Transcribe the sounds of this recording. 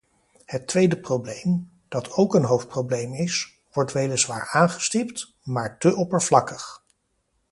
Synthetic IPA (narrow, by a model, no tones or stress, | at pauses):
hətʋejdəprowblejm | d̥ɑtʰowkənɦowft̚prowblejmɪs | ʋɔɹtʋejləzʋaːɹaːnχə̥stɪpt | maːɹtəʔɔpəɹvlɑkəχ